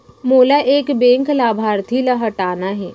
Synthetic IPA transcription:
moːlaʔeːkbẽːŋklaːbʱaːɾt̪ʰilaɦɐʈaːnaɦɛː

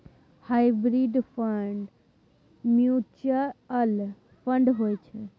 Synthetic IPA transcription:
hajbɾiɖpʰəɳɖ | mjut͡ʃəɾəl | pʰəɳɖɦojt͡ʃʰɛ

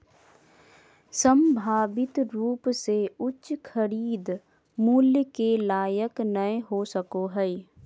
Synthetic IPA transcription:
səmbʱaːʋɪt̪ɾuːpseʊt͡ʃkʰəɾiːd̪ | muːljəkelaːjəknəeɦosəkoɦɛi

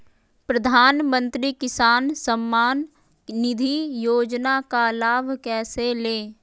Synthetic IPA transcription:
pɾəd̪ʱaːnmə̃nt̪ɾikɪsaːnsəmːaːnː | ɪd̪ʱijoːd͡ʒnakalaːbʱkɛːseleː

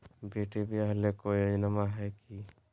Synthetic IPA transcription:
beːʈebʱiəɦlekoəd͡ʒnəmaɦɛki

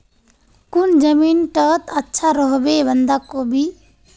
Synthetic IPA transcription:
kund͡ʒəminʈət̪ətːʃʰaɾɔɦbebənd̪akobʱi

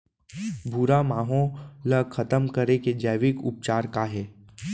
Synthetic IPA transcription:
bʱuɾamaːɦõləkʰɐt̪əmkəɾeked͡ʒəːʋɪkʊ̰p̚t͡ʃaːɾkaɦɛː

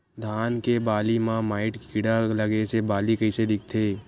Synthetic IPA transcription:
d̪ʱaːnkebaːlimãmaːɪʈkkɪɽalɐɡesebaːlikɐɪsed̪ɪk̚ʰt̪ʰeː

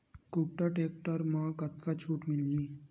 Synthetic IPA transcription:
kup̚ʈəʈeːk̚ʈəɾmãkət̪kat͡ʃʰuːʈmɪli

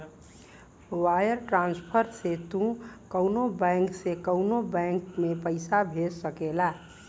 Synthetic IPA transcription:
wajəɾʈɾãnspʰəɾset̪ũkəwnobɛ̃ŋksekəʊnobɛ̃ŋkmepəɪsabʱessəkela

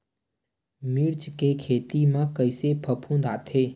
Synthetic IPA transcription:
miɾt͡ʃkekʰet̪imãkəjsepʰəpʰũnd̪at̪ʰe

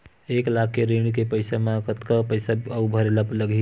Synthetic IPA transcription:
eklak̚ʰkeɾeɳɖkepəjsamakət̪kəpəjsaubʱəɾeləpləɡi

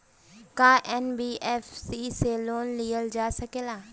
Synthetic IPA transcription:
kaːʔɛːnbiːɛːfsiːseloːnlijəld͡ʒaːsɐkeːlaː

